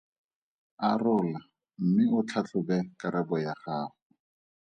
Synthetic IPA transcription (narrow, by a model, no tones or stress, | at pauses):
arʊːla | m̩mɪʊt͡ɬʰat͡ɬʰʊbɛkaɾɛbɔjaχaːχʊ